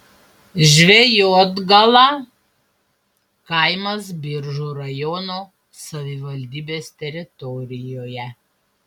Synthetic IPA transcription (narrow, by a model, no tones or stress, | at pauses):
ʒʲʋʲɛjoːd̪ɡɐlˠɑː | kɐɪmɐs̬bʲɪɾʒuːɾɐjɔnoː | sɐʋʲɪʋɐlʲd̪ʲiːbʲeːst̪ʲɛɾʲɪt̪ɔɾʲɪjoːjɛ